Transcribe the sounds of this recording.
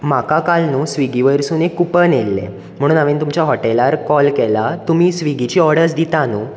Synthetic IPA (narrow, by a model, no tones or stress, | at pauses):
makakalnuːsʋiɡiʋəjɾsunekupənelːḛ | m̤əɽ̃ũːnaʋent̪umt͡ɕaɦɔʈelaɾkɔlkɛlat̪umiːsʋiɡit͡ɕiːɔɾɽəɾsd̪it̪anuː